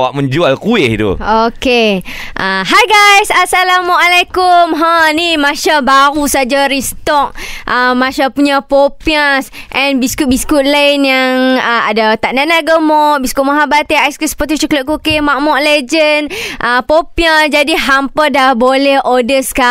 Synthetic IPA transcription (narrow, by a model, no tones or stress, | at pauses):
waʔmə̃ɲd͡ʒualkuɪht̪ṵoke | ʔaɦajɡajsasalamɔʔalekumɦanimaʃabaɾusad͡ʒaɾist̪ɔk̚ʔəmaʃapuɲapopiasʔɛ̃nbiskut̪̚biskuʔ̪̚lanjaŋəadat̪aʔnanaɡəmɔʔbiskuʔmaɦabat̪eajskisə̥pət̪it͡ʃukləʔ̚kukemaʔmɔʔled͡ʒənʔəpopiad͡ʒadiɦampədabolɛhʔodəska